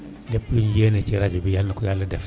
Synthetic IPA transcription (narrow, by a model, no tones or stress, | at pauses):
lɛplunjenet͡ʃeɾad͡ʒubijalnakujalːədɛf